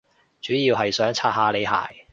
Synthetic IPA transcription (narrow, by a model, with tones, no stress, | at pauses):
t͡ʃyː˨˥jiː˧wɦɐ˨jsœː˨˥ŋt͡sʰaː˧t̚ɦaː˧le˨˧jɦa̰ː˨˩j